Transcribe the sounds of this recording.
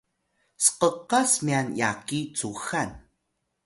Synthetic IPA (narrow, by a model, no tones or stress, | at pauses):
sə̥qəqasmianjakit͡suxan